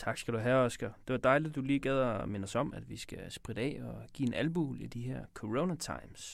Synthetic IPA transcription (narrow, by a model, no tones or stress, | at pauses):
t͡sʰɑ̈ɡ̥sɡ̥æd̥uɦæɒsɡ̥ɐd̥e̝ʋɑ̈d̥ɑ̈ɪlid̥ːuliːɡ̥ɛːð̞ˠɐmenɒsɒ̽m̰æd̥ʋisɡ̥æsb̥ʁid̥əɛ̰ːɒɡ̥ḭːe̝nʔælb̥uːlid̥iɦeɐ̰kʰo̝ʁoʊnæt͡sʰɑ̈ɪ̰ms